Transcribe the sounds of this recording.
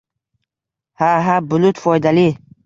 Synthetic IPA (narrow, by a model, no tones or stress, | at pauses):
haɦabʊlut̪fɔjd̪ali